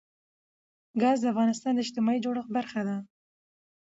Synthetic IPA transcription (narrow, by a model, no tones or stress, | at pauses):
ɡɑzd̪əafɣɑnɪst̪ɑnd̪əɪʃt̪ɪmɑid͡ʒoɽəxbaɾxad̪a